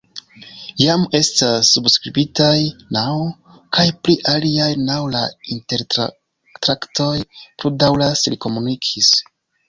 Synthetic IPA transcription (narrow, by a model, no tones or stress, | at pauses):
jame̞stasːubskɾibitajnaw | kʰajpliʔaliajnawlainte̞ɾ | tɾakto̞jpludawlasliko̞munikʰis